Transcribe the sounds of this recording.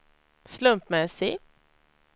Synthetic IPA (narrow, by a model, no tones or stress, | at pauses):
slɵmpmɛsɪ